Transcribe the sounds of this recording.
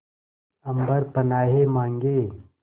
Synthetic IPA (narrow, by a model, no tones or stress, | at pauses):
ɐmbəɾpɐnaːɦemãːŋɡeː